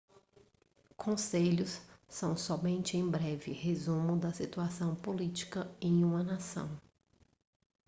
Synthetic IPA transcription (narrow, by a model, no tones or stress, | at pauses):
kʰõseʎʊsːɐ̃w̃sɔmẽnt͡ʃɪẽj̃bɾɛvɪ̰hezũmʊd̪ɐsit̪uasɐ̃w̃polit͡ʃi̥kɐẽj̃ũmɐnasɐ̰̃w̃